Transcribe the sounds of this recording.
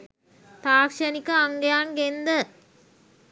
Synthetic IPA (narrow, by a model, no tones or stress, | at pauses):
t̪aːkʂɐnikɐaŋɡɐjaːŋɡend̪ə